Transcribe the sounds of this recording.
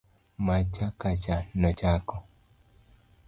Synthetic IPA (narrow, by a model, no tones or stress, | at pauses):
mat͡ʃakat͡ʃanɔt͡ʃakɔ